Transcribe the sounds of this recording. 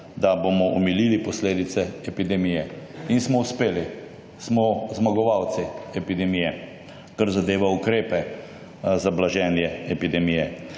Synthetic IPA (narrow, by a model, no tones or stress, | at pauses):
d̪abomɔʔɔmililipɔsleːd̪it̪sɛɛpid̪ɛmijɛinsmɔuspeːli | smɔzmaɡɔʋawt̪siɛpid̪ɛmijɛ | kaɾzad̪eːʋaukɾeːpɛ | zablaʒɛːnjɛɛpid̪ɛmijɛ